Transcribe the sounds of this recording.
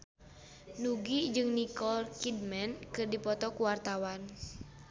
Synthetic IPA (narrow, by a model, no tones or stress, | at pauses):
nuɡid͡ʒɨŋnikɔlkid̚mɛnkɨrdipɔt̪ɔkuwart̪awan